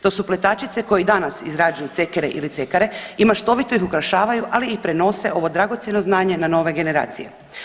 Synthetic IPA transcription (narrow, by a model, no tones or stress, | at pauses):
t̪o̞suple̞t̪at͡ʃit̪seko̞jid̪anasḭzɾaːd͡ʒujut̪sekeɾḛʔḭlit̪se̞kaɾe̞imaʃt̪o̞ʋit̪o̞ixukɾaʃaːʋajuʔaliːpɾe̞no̞se̞ʔo̞ʋo̞d̪ɾaɡo̞t̪sjeno̞znaːɲe̞nano̞ːʋe̞ɡe̞ne̞ɾa̰ːt̪sije